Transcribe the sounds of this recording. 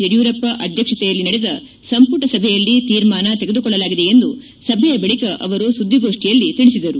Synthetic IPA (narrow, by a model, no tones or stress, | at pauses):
eɽijuːɾɐpːɐʔɐd̪ʱjɐkʂɐt̪ɛjɐlːinɐɽed̪ɐ | sɐmpuʈɐsɐbʱɛjɐlːit̪iːɾmaːnɐt̪eɡed̪ukɔɭːɐlaːɡid̪e̞end̪u | sɐbʱɛjɐbɐɭikɐʔɐʋɐɾusud̪ʱːiɡo̞ːʂʈijɐlːit̪iɭisid̪ɐɾu